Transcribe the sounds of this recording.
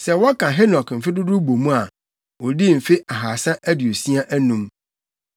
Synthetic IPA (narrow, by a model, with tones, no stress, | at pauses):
sɛ˨wɔ˦kʰã˨ɦe˦nɔ˨km̩˨fɪ˦dʊ˦dʊ˦bo˨mũ˦a˨ | wɔ˨di˦m̩˨fɪ˦ʔa˨ɦaː˨sã˦ʔæ˦di˨o˨si˦a˦ʔæ˦nũ˦m